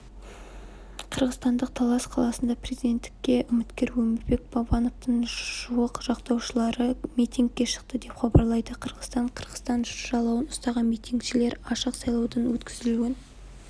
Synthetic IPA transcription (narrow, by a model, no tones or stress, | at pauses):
qʰəɾʁəzt̪ɑnd̪əq̚t̪ʰɑlˠɑsqʰɑlˠɑsənd̪ɑpre̞zijd̪e̞nt̪ːɪ̥kʲːe̞ʔʊmɪt̪kʲe̞ɾwɵmɪɾbe̞k̚b̥ɑbɑnoft̪əɴʒ̥uwəqʒ̥ɑqt̪ɑwʃəlˠɑɾəmijt̪ʲiŋk̚ʲːe̞ʃə̥q̚t̪əd̪e̞pχɑbɑɾlˠɑjd̪əqʰəɾʁəzt̪ɑɴqʰəɾʁəst̪ɑnʒʒɑlˠɑwənʊst̪ɑʁəmijt̪ʲiŋkʃɪle̞ɾɑʃəqsɑjlˠɑwd̪ɑnwɵt̪kʲʰɪzɪluɡʲɪn